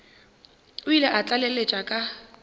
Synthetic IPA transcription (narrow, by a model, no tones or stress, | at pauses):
ʊilaʔat͡ɬʼalelet͡ʃʼakʼa